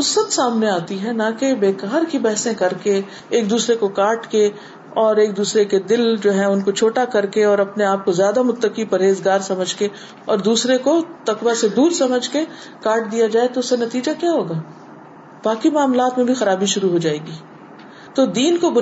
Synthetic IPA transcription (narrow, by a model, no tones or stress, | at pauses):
ʊsət̪saːmneaːt̪iɦɛnakebeːkaːɾkibɛɦsẽkɐɾke | eːk̚d̪uːsɾekokaːɾʈke | ɔːɾeːk̚d̪uːsɾeked̪ɪld͡ʒoːɦɛ̃ʊnkot͡ʃʰoːʈakɐɾkeɔːɾɐpneaːp̚kozjaːd̪amʊt̪ːəkipɐɾeːzɡaːɾsɐməd͡ʒʱke | ɔːɾd̪uːsɾekot̪ɐkwased̪uːɾsɐməd͡ʒʱke | kaːɾʈ̚d̪ijad͡ʒaːet̪oʊsːenɐt̪iːd͡ʒakjaːɦoːɡaː | b̥aːkimaːmlaːt̪mẽbʱixɐɾaːbiʃʊɾuɦod͡ʒaːeːɡiː | t̪oːd̪iːnkobʊ